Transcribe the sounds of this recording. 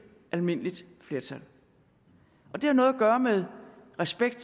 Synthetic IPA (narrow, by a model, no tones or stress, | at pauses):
ʔælme̝n̰lid̥ | fle̝ːɐt͡sʰæl | ʔɒ̽d̥e̝hænɔ̽ːðˠɐɡ̥ɶːɐmeðˠʁɛsb̥eɡ̥̚d̥